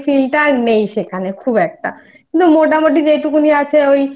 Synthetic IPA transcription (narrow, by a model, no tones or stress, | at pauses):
filʈaɾnejʃekʰanekʰubɛk̚ʈa̰ | kint̪umoʈ̬amoʈ̬id͡ʑeʈukuniat͡ɕʰeoj